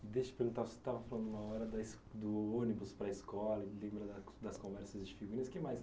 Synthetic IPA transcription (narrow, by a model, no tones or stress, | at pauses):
d̪eʃɐ̥ɪpeɾɡũt̪aɾvose̥t̪avɐfalɐ̃nd̪ʊũmɐɔɾɐd̪ɐs | d̪ʊõnibʊspɾɐɪskɔlɐilẽmbɾɐd̪ɐd̪ɐskõvɛɾsɐzd͡ʒɪfiɡuɾĩɐskɪmajs